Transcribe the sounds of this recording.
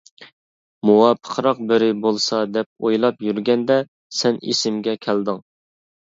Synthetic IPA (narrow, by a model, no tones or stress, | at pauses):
muwɑpʰə̥χʰɾɑq̚bɪɾɪbolˠsɑd̪ɛp̚ojlˠɑpjyɾɡʲɛnd̪ɛ | sɛnḛsɪmɡʲɛkʲʰæld̪ɨŋ